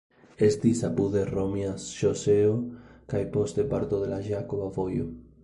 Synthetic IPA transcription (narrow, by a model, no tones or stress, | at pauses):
e̞st̪isapuðeromiaʃoseokajpo̞st̪e̞paɾt̪oðe̞laʒakoβavo̞jo̰